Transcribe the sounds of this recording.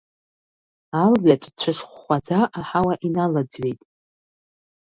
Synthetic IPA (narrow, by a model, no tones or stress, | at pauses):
alɥat͡sʷʼt͡ɕʷʰɨʂχːʷad͡zaʔaħawaʔinalad͡zɥe̞jtʼ